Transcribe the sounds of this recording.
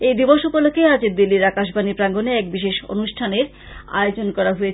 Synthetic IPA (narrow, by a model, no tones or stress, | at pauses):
ejd̪iboʃupolokʰːead͡ʑed̪ilːiɾakaʃ̬bʱanipɾaŋɡoneɛkbiʃeʃo̰nuʃʈʰaneɾ | a̰jod͡ʑonkɔɾaɦoje